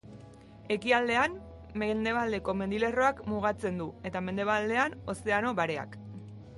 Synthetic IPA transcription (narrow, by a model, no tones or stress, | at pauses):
e̞kiald̪e̞am | mend̪e̞βald̪e̞ko̞me̞nd̪ile̞ro̞akmuɣ̞at͡se̞nd̪ue̞t̪ame̞nd̪e̞βald̪e̞ano̞se̞ano̞βaɾe̞a̰k